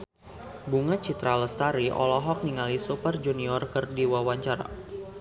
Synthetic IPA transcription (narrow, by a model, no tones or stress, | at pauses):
buŋat͡ʃit̪ɾaləst̪aɾiʔɔ̰lɔɦɔk̚niŋalisupərd͡ʒuniɔrkərdiwawaɲt͡ʃaɾa̰